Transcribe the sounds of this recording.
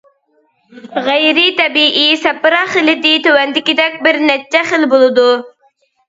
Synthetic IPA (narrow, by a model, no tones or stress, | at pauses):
ʁæjɾit̪ʰɛbiʔisɛpːɾɑχəlɪd̪ɪt̪øwɛnd̪ɪkʲid̪ɛkʲbɪɾnɛt͡ʃːɛχəlbolˠɨd̪u